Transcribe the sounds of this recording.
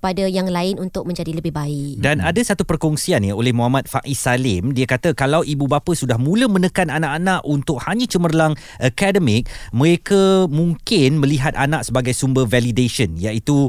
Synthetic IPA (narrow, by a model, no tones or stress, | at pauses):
əpadajaŋlaɪnunt̪ʊk̚mə̃ɲd͡ʒadiləbɪhbaɪkdanadasat̪upərkɔŋsianjəolɛhmõamat̪̚faʔisalɪmdiakat̪əkalawʔibubapəsudahmũləmə̃nəkananãʔanãʔunt̪ʊk̚haɲãt͡ʃəmərlaŋ | ʔəkɛdəmɪk̚mə̃ɾekəmũŋkɪnmə̃liɦat̪̚anãʔsəbaɡajsumbərvɛlideʃənjaʔit̪u